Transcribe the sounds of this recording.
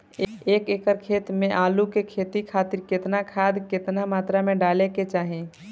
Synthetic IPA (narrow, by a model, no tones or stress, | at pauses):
eːkeːkəɾkʰeːt̪mẽʔaːlukekʰeːt̪ikʰaːt̪ɪɾkɪt̪nakʰaːd̪kɪt̪namaːt̪ɾamẽɖaːleket͡ʃaːɦẽ